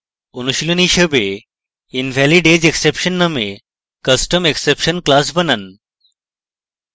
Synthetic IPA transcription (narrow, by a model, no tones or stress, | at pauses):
unuɕiluniɕəbe | inʋʱæliɖed͡ʑeksepɕənːəme | kəsʈəmeksepɕənklas̬bənan